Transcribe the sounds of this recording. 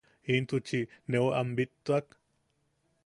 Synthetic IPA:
int̪ut͡ʃineoʔambit̪ːuak

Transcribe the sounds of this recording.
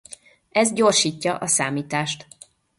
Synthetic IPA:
ɛzɟorʃiːcːɒʔɒsaːmiːt̪aːʃt̪

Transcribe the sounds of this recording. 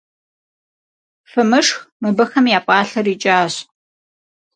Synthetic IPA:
fɨmɨʂxmɨbɐxɐmjaːpʼɑːɬɐriːt͡ʃʼaːɕ

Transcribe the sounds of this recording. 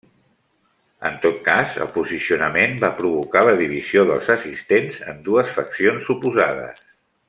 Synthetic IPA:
ə̰nt̪ot̪̚kazə̰lˠpuzisiunəmembapɾuβukaləðiβ̞izioðəlˠzəsist̪enzə̰nd̪uəsfəksionsːupuzað̞ə̰s

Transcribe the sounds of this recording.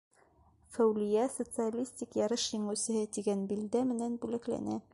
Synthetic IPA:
fæwlɘ̆jæsŏt̪sɨalʲisʲt̪ʲikjɑɾɤʃjɘ̆ɴɘwsɘ̆hɘt̪iɡænbild̪æmɘ̆nænbʉlæklæ̰næ

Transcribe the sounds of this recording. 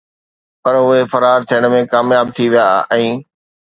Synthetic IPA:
pɐɾʊɦefɐɾaːɾt̪ʰijəɽ̃̆mẽkaːmjaːb̚t̪ʰiʋijaʔɛ̃ː

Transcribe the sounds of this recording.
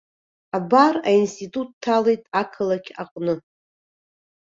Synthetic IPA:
abarainstʰʼitʼutʰːalejtʼakʰɨlakʲʰaqʼnɨ

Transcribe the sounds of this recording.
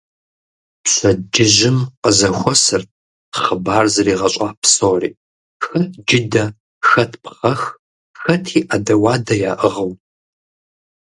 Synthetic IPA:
pɕɐd͡ʒɪʒɪmqəzɐxʷɔsɨrt̚ʰ | χəbaːrzɐriːʁɐɕʷʼaːpsoːrḭː | xɐd͡ʒɪdɐ | xɐtʰpχɐx | xɐtʰiːʔadɐwɑːdɐjaːʔəʁɐw

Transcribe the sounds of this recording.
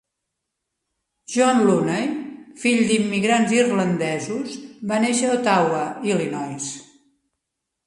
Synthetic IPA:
ʒwɔnlunəjfiʎd̪imːiɣɾanzirlənd̪ɛzusβaneʃəot̪awəilinɔjs

